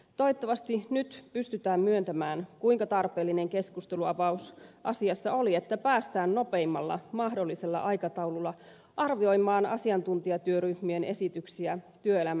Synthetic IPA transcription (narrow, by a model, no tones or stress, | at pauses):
t̪oit̪ːɑʋɑst̪inyt̪pyst̪yt̪æːmmyønt̪æmæːnkuijŋkɑt̪ɑrpeːlːine̞ŋke̞skust̪e̞luɑpɑusʔɑsiɑsːɑo̞lie̞t̪ːæpæːst̪æːnno̞peimːɑlːɑ̰mɑhdo̞lːise̞lːɑ̰ʔɑjkɑt̪ɑwlulːɑ | ʔɑrʋio̞jmɑːnɑ̰siɑnt̪unt̪iɑt̪yøryhmiene̞sit̪yksiæt̪yøelæm